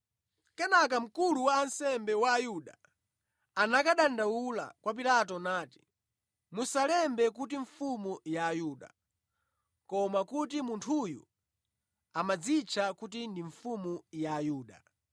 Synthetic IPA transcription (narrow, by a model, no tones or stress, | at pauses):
kɛnak̬am̩kuluwaːnsɛmbɛwaːjuɗa | anakaɗandawula̰kwap̬ilatɔnaːti̥ | musalɛmbɛkut̬iɱfumujaːjuːɗa | kɔmakutimuntʰujṵ | amad͡zit͡ʃʰakut̬indiɱfumujaːjuːɗa̰